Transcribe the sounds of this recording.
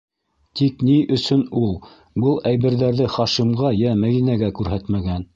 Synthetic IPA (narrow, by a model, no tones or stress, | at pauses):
t̪ikniʔɵ̆sɵnulˠ | bɤlˠæjβɘ̆ɾðæɾðɘχɑʃimʁɑjæmæðinæɡækʉɾɦæt̪mæɡæn